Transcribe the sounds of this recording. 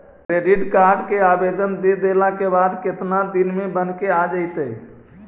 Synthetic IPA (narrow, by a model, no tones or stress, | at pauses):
kɾeɖiʈkaɾɖkeabed̪ənd̪ed̪elakebad̪kɪt̪nad̪inmẽbənkead͡ʒaɪt̪əj